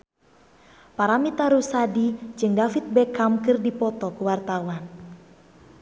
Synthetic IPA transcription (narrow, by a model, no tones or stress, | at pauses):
paɾamit̪aɾusadid͡ʒɨŋdafit̪̚bɛkamkɨrdipɔt̪ɔkuwart̪awan